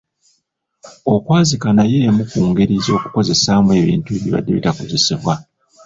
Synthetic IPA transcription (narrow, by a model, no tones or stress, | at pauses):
o̞kwaːzikanaje̞ːmukuːŋɡeɾizo̞ːku̥ko̞ze̞saːmwe̞ːβḭːntuβiβa̰dːeβḭtakoze̞siβwa